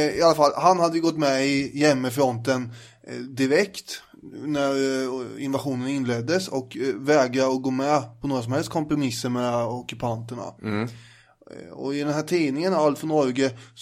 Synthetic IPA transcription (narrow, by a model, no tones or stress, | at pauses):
ɪalːafalːhanhad̪ːəjɪɡɔt̪ːmɛɪjɛmːəfɾɔnt̪ən | d̪ɪɾɛkt̪ | næɾɪnvaɧuːnənɪnleːd̪ːəsɔkvɛːɡɾaɔɡoːmɛpʰɔnoːɾas̬ɔmhɛlst̪̚kʰɔmpɾʊmɪsːəɾmɛɔkɵpʰant̪əɳa̰ | ɔ̰ɪd̪ɛnɦæːʈʰiːnɪŋənalt̪fœɳɔɾɡə